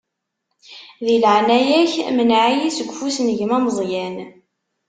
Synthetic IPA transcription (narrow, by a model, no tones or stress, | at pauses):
ðilʕnæjæçmənʕijisəɡʷfusnəʝmæməzˤjæn